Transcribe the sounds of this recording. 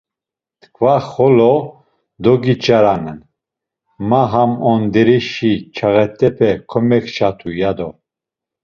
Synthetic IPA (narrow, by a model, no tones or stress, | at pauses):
t̪ʰkʰvaχɔlɔ | d̪ɔɡit͡ʃʼaɾanɛn | maɦamɔnd̪ɛɾiʃit͡ʃʰaɣɛt̪ʼɛpʰɛkʰɔmɛkʰt͡ʃʰat̪ʰujad̪ɔ